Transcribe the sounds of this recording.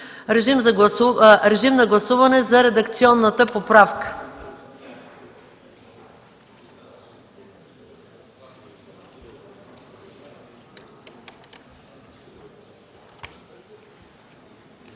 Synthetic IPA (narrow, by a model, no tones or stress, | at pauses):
ɾɛʒimzɡɾɛʒimnɐɡlˠɐsuvɐnɛzɐɾɛd̪ɐkt̪siɔnːət̪əpopɾafkə̥